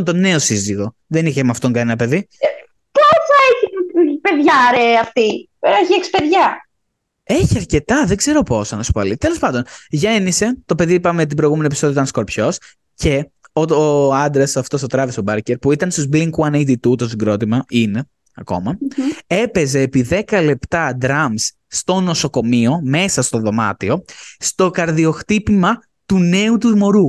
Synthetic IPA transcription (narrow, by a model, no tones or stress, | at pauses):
nt̪o̞ne̞osiziɣo̞ | ðeniçemɐft̪oŋkɐnenɐpe̞ði | posɐeçipeðʝɐɾeɐft̪i | eçiekspe̞ðʝɐ | eçiɐɾce̞t̪ɐðe̞ɡze̞ɾo̞po̞sɐnɐsu̥poɐlit̪e̞lo̞spɐnd̪o̞nʝe̞nise̞t̪o̞pe̞ðipɐmet̪ibɾo̞jɣumeniepiso̞ðijotɐnsko̞ɾpço̞s | ce̞ | ooɐnd̪ɾesɐft̪o̞st̪ot̪ɾɐvest̪obɐɾceɾpuit̪ɐnst̪uzbliŋkuɐnit̪it̪ut̪osiɡɾo̞t̪imɐin | ɐko̞̰mɐe̞pe̞ze̞ːpiðe̞kɐle̞pt̪ɐd̪ɾɐmsːt̪o̞no̞so̞ko̞mio̞me̞sɐst̪o̞ðo̞mɐ̰t̪io̞st̪o̞kɐɾðio̞xt̪ipimɐ | t̪une̞ut̪uzmo̞ɾu